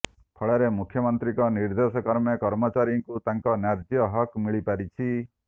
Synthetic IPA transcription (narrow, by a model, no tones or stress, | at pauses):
pʰɔɭeɾemukʰjɔmɔnt̪ɾikɔniɾd̪esɔkɔɾmɔkɔɾmɔt͡ʃaɾjɔŋkut̪aŋkɔnaɾd͡ʒjɔɦɔkmiɭipaɾit͡ʃʰi